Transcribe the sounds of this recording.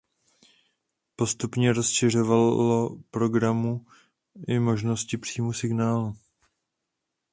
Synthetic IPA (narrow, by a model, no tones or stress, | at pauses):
po̞st̪upɲɛɾo̞sʃɪr̝o̞vaopɾo̞ɡɾamu | ʔɪmo̞ʒno̞scɪpr̝̥iːmusɪɡnaːlu